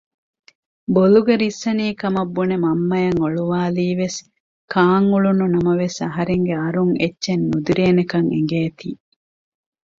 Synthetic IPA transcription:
boluɡeɾisːɐniːkɐmɐbːunemɐmːɐjɐŋoɭuʋaːliːʋes | kaːŋuɭununɐmɐʋesɐɦɐɾeŋɡeɐɾuŋetːʃenːud̪iɾeːnekɐŋḛŋ̆ɡeːt̪iː

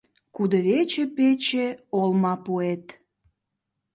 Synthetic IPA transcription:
kud̪əβet͡ɕepet͡ɕeolmɑpuet̪

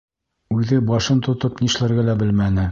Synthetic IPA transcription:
ʉðɘbɒʃɤnt̪ŏt̪ɤpniʃlæ̆ɾɡælæbɘlmænɘ

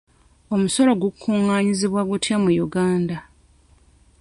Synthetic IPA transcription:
o̞muso̞lo̞ɡukʰːuŋːaːɲiziβwaɡutjamujuɡaːnda

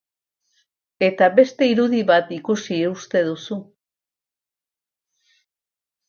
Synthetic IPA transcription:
e̞t̪aβe̞st̪e̞iɾuðiβat̪ikusiust̪e̞ðusu

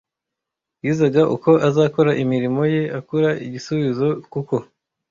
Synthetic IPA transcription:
jiːzaɡaʔuko̞ʔazaːko̞ɾaʔimiɾimo̞je̞akuɾaiɟisuβizo̞kuko̞

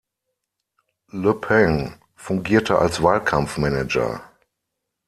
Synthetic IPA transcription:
ləpʰɛŋ | fʊŋɡiːɐtʰəʔa̰lsv̥aːlkʰamfmɛnɛd͡ʒɐ̰

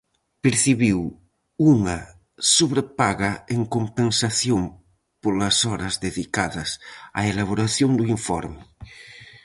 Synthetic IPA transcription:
peɾθiβiw | uŋa | suβɾepaɣaeŋkompensaθjom | polasɔɾɐzðeðikaðɐsa̰elaβ̞oɾaθjoŋd̪uiɱfɔ̰ɾme

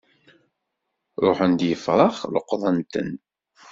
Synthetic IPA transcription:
ɾˤoħənd̪jəfɾˤɑχlə̰qːðˤənt̪ə̰n

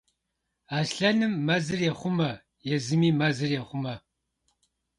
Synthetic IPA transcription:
aːsɬɐnɨmːɐzɨrjɛχʷʊmɐ | jɛzɨmiːmɐzɨrjɛχʷʊmɐ

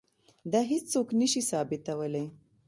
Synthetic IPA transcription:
d̪ɑɦɪt͡ʃsoknəʃisɑbɪt̪awəlaj

